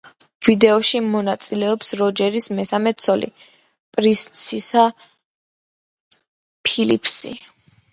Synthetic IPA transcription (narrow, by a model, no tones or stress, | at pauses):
vid̪ɛɔʃimɔnat̪sʼilɛɔpsɾɔd͡ʒɛɾismɛsamɛt̪sʰɔlḭ | pʼɾist̪sʰisa | pʰilḭpʰsḭ